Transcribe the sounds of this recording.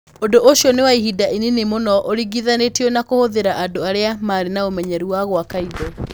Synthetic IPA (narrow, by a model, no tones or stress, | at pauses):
ondoʔoʃjɔnewaiɦidaʔininemonɔʔoɾiɣiðanetiɔnakohoðeɾaʔadoaɾeamaɾenaomɛɲɛɾuwaɣwakaiðɔ